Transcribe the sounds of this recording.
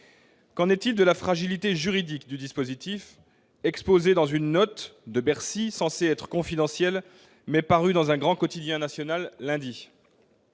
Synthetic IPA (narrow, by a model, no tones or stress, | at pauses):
kɑ̃nɛt̪ild̪əlafχaʒilit̪eʒyʁid̪ikd̪yd̪ispozit̪if | ɛkspozed̪ɑ̃zynːɔt̪d̪əbɛʁsisɑ̃seɛt̪χə̥kɔ̃fid̪ɑ̃sjɛl | mɛpaʁyd̪ɑ̃zɛ̃ɡʁɑ̃kɔt̪id̪jɛ̃nasjɔnalːɛ̃d̪i